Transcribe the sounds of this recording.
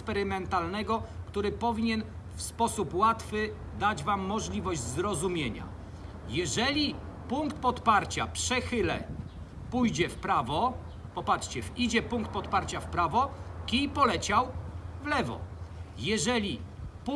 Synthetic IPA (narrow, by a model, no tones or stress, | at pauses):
spɛɾɘmɛnt̪alnɛɡɔkt̪uɾɘpɔvʲiɲɛn | fspɔsupwat̪fɘ | d̪ad͡ʑvamːɔʐlʲivɔʑd͡ʑzɾɔzumʲjeɲa̰ | jɛʐɛlʲipuŋkt̪̚pɔt̪paɾt͡ɕapʂɛxɘlɛ̰ | pujd͡ʑɛfpɾavɔ | pɔpat͡ʂt͡ɕɛfid͡ʑɛpuŋk̚t̪̚pɔt̪paɾt͡ɕafpɾavɔkʲijpɔlɛt͡ɕawvlɛvɔ̰jɛʐɛlʲip